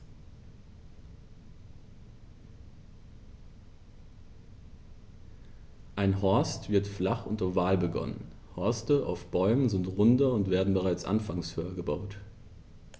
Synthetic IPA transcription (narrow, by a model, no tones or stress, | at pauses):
ʔaɪnɦɔɐstv̥ɪɐtflaχʊntɐvaːlbəɡɔ̰nə̰n | hɔɐstəʔa̰ʊfb̥ɔʏmənzɪntʁʊndɐʊntv̥eːɐdn̩bəʁaɪt͡sʔa̰nfaŋshøːɐɡəbaʊt